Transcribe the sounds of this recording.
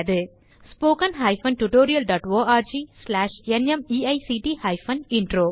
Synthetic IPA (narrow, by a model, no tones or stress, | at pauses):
ɐðɯ | spoːkɐnɦɐɪfɐnʈuʈoːɾɪjɐlɖaːʈʋoːaːɾd͡ʒislaːʂɛnɛmiːɐɪsiʈihɐɪfɐnɪɳɖɾoː